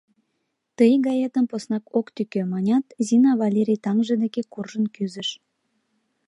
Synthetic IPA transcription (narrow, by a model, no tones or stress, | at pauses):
t̪əjɡɑjet̪əmposnɑkokt̪ykømɑnʲɑt̪zinɑβɑlʲeɾʲijt̪ɑŋʒəd̪ekekurʒənkyzə̆ʃ